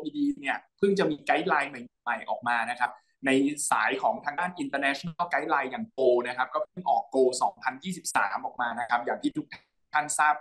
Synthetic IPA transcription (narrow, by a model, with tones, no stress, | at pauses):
ʔiː˧diː˧ni˥˩ɐpʰɯ˥˩ŋt͡ɕa˨˩miː˧ka˦˥jlaː˧jma˨˩jma˨˩ma˨˩jʔɔ̰ː˨˩k̚maː˧na˦˥kʰa˦˥p̚ | na˧jsa̰ː˩˦jkʰɔː˩˦ŋt̪ʰaː˧ŋdaː˥˩nʔi˧nt̪əː˧nɛː˦˥t͡ɕʰo˧na˥˩ka˦˥jlaː˧jːaː˨˩ŋt̪oː˧na˦˥kʰa˦˥p̚kɔː˥˩pʰɯ˥˩ŋʔɔː˨˩kːoː˧sɔː˩˦ŋpʰa˧njiː˥˩si˨˩p̚sa̰ː˩˦mʔɔː˨˩k̚maː˧na˦˥kʰa˦˥p̚jaː˨˩ŋt̪ʰiː˥˩t̪ʰu˦˥k̚t̪ʰa˥tʰaː˥˩ŋsaː˥˩p̚